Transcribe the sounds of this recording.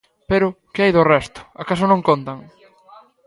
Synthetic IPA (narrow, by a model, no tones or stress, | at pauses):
peɾʊkɪajðorɛst̪ʊ̥akas̬ʊnõŋkont̪aŋ